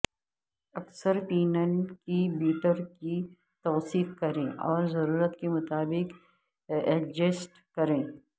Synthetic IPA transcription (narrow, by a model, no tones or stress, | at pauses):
ɐksəɾpiːnənkibiːʈəɾki | t̪ɔːsiːqkɐɾẽːʔɔːɾzɐɾuːɾət̪kemʊt̪aːbɪk | ɛd͡ʒesʈ | kɐɾẽː